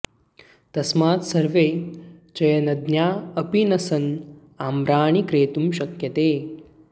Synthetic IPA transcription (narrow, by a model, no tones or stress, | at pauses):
t̪ɐsmaːt̪sɐɾʋeːt͡ʃɐjɐnɐd̪njaːɐpinɐsɐn | aːmɾaːɳikɾeːt̪umʃɐkjɐt̪eː